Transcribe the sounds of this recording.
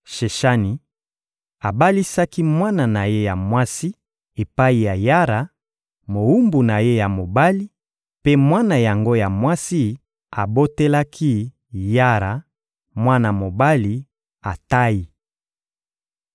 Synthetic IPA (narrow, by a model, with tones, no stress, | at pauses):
ʃe˨ʃa˦ni˨ | a˨ba˦li˦sa˦ki˦mwa˦na˨na˨je˦ja˨mwa˦si˦ | e˨pa˦i˨ja˨ja˦ɾa˨ | mo˨u˦mbu˨na˨je˦ja˨mo˨ba˦li˦ | pe˦mwa˦na˨ja˨ŋɡo˦ja˨mwa˦si˦ | a˨bo˦te˦la˦kʰi˦ | ja˦ɾa˨ | mwa˦na˨mo˨ba˦li˨ | a˨ta˦ji˨